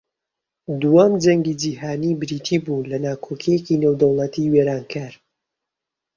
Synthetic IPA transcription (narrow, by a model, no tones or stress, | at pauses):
d̪uwamd͡ʒɐŋɡid͡ʒiːhaːnibɨɾiːt̪ʰiːbulɐnaːkʰokʰijecineːwd̪ɐwlˠɐt̪ʰiweːɾaːnkʰaːɾ